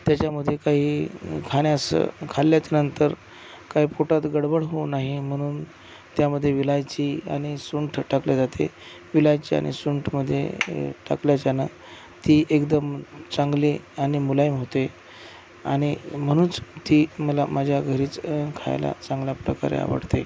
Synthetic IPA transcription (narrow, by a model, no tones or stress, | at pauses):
t̪jat͡ɕaməd̪ʱːjekaɦiːkʰaɽ̃jasə̰kʰalːjat͡ɕanənt̪əɾ | kaɦiːpoʈat̪ɡəɽbəɽɦonaɦim̤əɽ̃uːn | t̪jaməd̪ʱːjeʋilajt͡ɕia̰ɽ̃isuɳʈʰʈakljad͡zat̪ʰḛ | ʋilajt͡ɕia̰ɽ̃ḭsuɳʈʰməd̪ʱːjḛʈa̰kljat͡ɕjana | t̪iːʔekd̪əmt͡sãŋɡliaɽ̃imulaimɦot̪e | aɽ̃im̤əɽ̃uːnt͡st̪iːməlamad͡ʑʱjaɡʱəɾiːt͡skʰa̰jla̰t͡sãŋɡljapɾə̰ka̰ɾḛa̰ʋə̰ɽt̪e